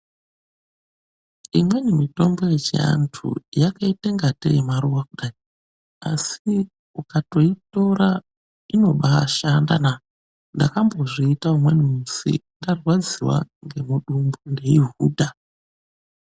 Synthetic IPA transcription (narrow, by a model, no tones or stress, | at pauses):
imwe̞nimito̞mbo̞je̞t͡ʃia̰ntʰṵjakaiteŋɡatḛjemaɾuwakuɗai | asi | ukato̞ito̞ɾa | ino̞ɓaʃanda̰na | ndakambo̞ʐiitaumwe̞nimusḭndarwad͡ziwa̰ŋɡe̞muɗumbundeiɦuːdʱa